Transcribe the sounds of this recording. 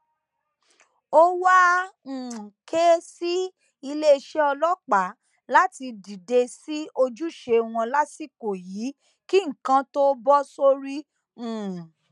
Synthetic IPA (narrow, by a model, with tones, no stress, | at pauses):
o˦wã˦˨ | ke˦si˦ | i˧le˦˧ʃe˦ɔ˧lɔ˦k͡pa˨˦ | la˦ti˧di˨de˧si˦o˧d͡ʒu˦˨ʃe˧w̃ɔ̃˧la˦si˦˨ko˨ji˨˦ | ki˦ŋ̩˨kã˧to˦bɔ˦so˦ɾi˦ | ũː˨